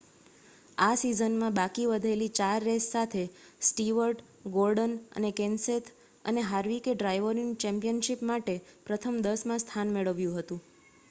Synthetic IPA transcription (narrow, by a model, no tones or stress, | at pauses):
asizənmãbakiʋəd̪ʱelit͡ʃaɾːesːat̪ʰesʈiʋəɾʈ | ɡolɖənə̰nekenset̪ʰ | ə̰neɦaɾʋikeɖɾajʋəɾiŋt͡ʃɛ̃mpijənʃipmaʈepɾət̪ʰəmd̪əsmãst̪ʰanmeɭəʋjũɦət̪ũ